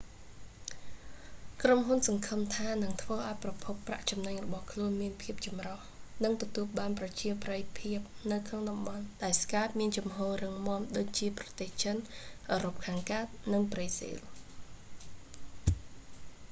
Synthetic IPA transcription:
kromɦunsɑŋkʰɨmt̪ʰaːnɨŋt̪ʰʋəːʔaɔjprɑpʰupːra̰ʔt͡ɕɑmnaŋrɔɓɑhkʰluənmiənpʰiəp̚t͡ɕɑmrɑhnɨŋt̪ɔt̪uəlɓaːnprɑt͡ɕiəprəjpʰiəp̚nɨwkʰnoŋɗɑmɓɑnɗaɛlskaːt̪̚miənt͡ɕɑmɦoːrɨŋmŏəmɗoːc̚t͡ɕiəprɑt̪eːht͡ɕənʔəːɾop̚kʰaːŋkaːt̪̚nɨŋpriːsḭl

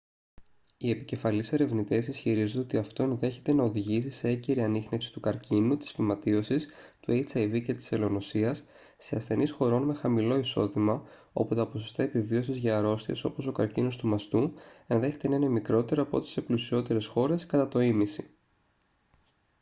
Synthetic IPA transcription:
ie̞pice̞fɐlise̞ɾe̞vnit̪e̞sisçiɾizond̪ot̪iɐft̪o̞e̞nðe̞çe̞t̪e̞nɐo̞ðiʝisise̞eɟeɾiɐnixne̞fsi̥t̪ukɐɾcinut̪i̥sfimɐt̪io̞sist̪uejt͡sɐjvice̞t̪i̥se̞lo̞no̞siɐsː | e̞ɐsθe̞nisxo̞ɾo̞nme̞xɐmilo̞iso̞ðimɐ | o̞̰put̪ɐpo̞sost̪ɐepivio̞sizʝɐːɾo̞st̪ieso̞̰po̞so̞kɐɾcino̞st̪umɐst̪uenðe̞çe̞t̪e̞nɐinemikɾo̞t̪e̞ɾoɐpo̞̰t̪e̥se̞plusio̞t̪e̞ɾe̞sxo̞ɾe̞skɐt̪ɐt̪o̞imisi

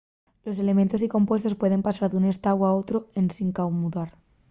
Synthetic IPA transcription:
lo̞se̞le̞ment̪o̞s̬iko̞mpwe̞st̪ospwe̞ðe̞mpasaɾðune̞st̪awao̞t̪ɾoensiŋkawmuðaɾ

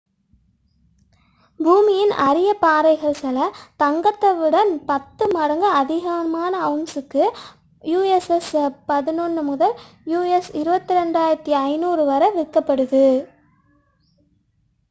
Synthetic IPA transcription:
buːmɪjɪnɐɾɪjɐpaːɾɐɪɣɐɭsɛlɐt̪ɐŋɡɐt̪ːɐʋɪɽɐnpɐt̪ːɯmɐɾɐŋɡɐɐðɪɣɐmaːnɐɐʊnsɯkːɯ | juːɛsɛspɐðɪnɔnːɯmʊðɐl | juːɛsɪɾɯbɐt̪ːɪɾɛɳɖaːjɪɾɐt̪ːiɐɪnuːɾɯʋɐɾɐʋɪkːɐpːɐɽɯðɯ

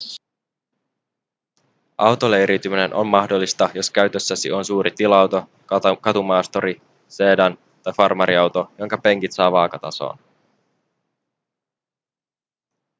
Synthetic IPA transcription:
ɑwt̪oleɾit̪ymine̞nʔo̞̰mːɑxdolːist̪ɑjo̞skæɥt̪ø̞sːæsḭo̞nsuːɾʔit̪ilɑwt̪o̞ | kkɑt̪umɑːst̪o̞ɾi | se̞ːdɑn | t̪ɑjfɑrmɑɾiɑwt̪o̞jo̞ŋkɑpe̞ŋkit̪sɑːʋɑːkɑt̪ɑso̞̰ːn

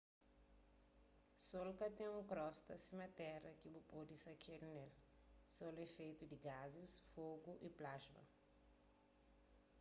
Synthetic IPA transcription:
solkɐt̪ẽŋũkɾɔst̪ɐsimɐt̪ɛrɐkibupɔd̪isɐkʰeɾnel | solɛfejt̪ud̪iɡazisfoɡuʔiplaʒmɐ̰

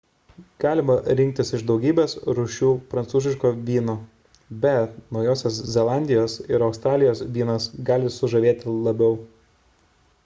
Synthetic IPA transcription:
ɡ̥ɑːlʲɪmɐɾʲɪŋʲkt̪ʲɪsɪʒd̪ɒʊɡʲiːbʲesɾʊʃʲuːpɾɐnt̪suːzʲɪʃkoːʋʲiːnoː | bʲɛt̪nɒʊjoːsʲoːszʲɛlˠɑˑnʲd̪ʲɪjoːsɪɾɒʊst̪ɾɑːlʲɪjoːsʋʲiːnɐsɡɑːlʲɪsʊʒɐʋʲeːt̪ʲɪlˠɐbʲɛʊ

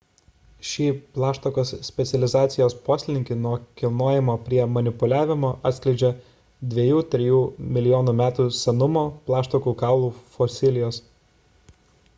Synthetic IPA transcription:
ʃʲiːplˠɑːʃt̪okoːssʲpʲɛt̪sʲɛlʲɪzɑːt̪sʲɪjoːspoːsʲlʲɪnʲɪŋʲkʲɪnuɔkʲɪlˠnoːjɪmoːpʲɾʲiɛmɐnʲɪpʊlʲæːʋʲɪmoːʔɐt̪sʲklʲɛɪd͡ʒʲɛ | d̪ʲʋʲiɛjuːt̪ʲɾʲɪjuːmʲɪlʲɪjɔːnuːmʲæːt̪uːsʲɛnʊmoːplˠɑːʃt̪okuːkɑːʊlˠuːfɔsʲɪlʲɪjoːs

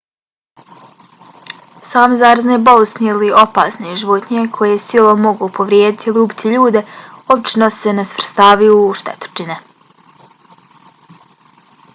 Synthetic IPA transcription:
saːmzaːɾaznebolust̪niilio̞pa̰ːsneʒiʋot̪ɲekʰo̞jesilˠomo̞ɡuːpo̞ʋɾʲjeːd̪it̪ʰiiliubi̥t̪ʰiʎuːd̪e̞obt͡ʃinosenesʋr̩st̪aːʋijuʃt̪ḛt̪o̥t͡ʃine

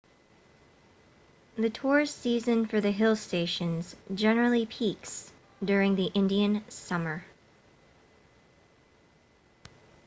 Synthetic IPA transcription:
ðɨtʰɔɹz̥sizɨ̃nfə˞ðɨɦɪlˠsteɪʃɨ̃nzd͡ʒɛnə˞l̩ˠipʰiks | d̥ʊɹɪ̃ŋðiʔɪ̃ndiɨ̃nsʌmə˞

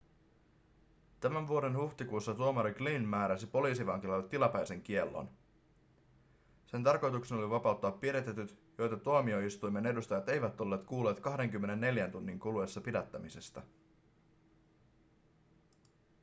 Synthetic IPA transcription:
t̪æmæɱʋuo̞ɾe̞nhuxt̪ikuːsːɑt̪uomɑɾiɡlinmæːɾæsipo̞liːsiʋɑŋkilɑlːet̪ːilɑpæjse̞ŋk̟ie̞lːo̰n | se̞nt̪ɑrko̞jt̪ukse̞no̞liʋɑpɑˑut̪ːɑːpːiɾe̞t̪e̞t̪yt̪jo̞jt̪ɑt̪uomio̞ist̪ujme̞ne̞dust̪ɑjɑt̪e̞jʋæt̪o̞lːe̞ːt̪kuːlːe̞ːt̪kɑhde̞ŋkymːe̞ne̞nːe̞ljænt̪unːiŋkulue̞sːɑpidæt̪ːæmise̞st̪æ

